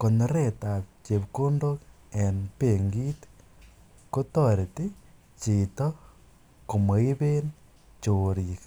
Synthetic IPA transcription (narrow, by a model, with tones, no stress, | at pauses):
ko˨no˨ɾeta˨t͡ʃe˨βko˦ndo˦k | e˨npe˨ŋɡi˦t | ko˦to˦ɾe˨ti˦ | t͡ʃi˨to˦ | ko˨mo˨i˦βe˦n | t͡ʃoɾik